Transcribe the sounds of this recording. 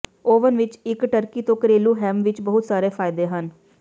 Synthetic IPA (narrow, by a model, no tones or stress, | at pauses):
oːʋənʋɪt͡ʃɪkʈəɾkiːt̪õːkəɾeːlũːɦɛːmʋɪt͡ʃbəɦʊt̪saːɾeːpʰaːɪd̪eːɦən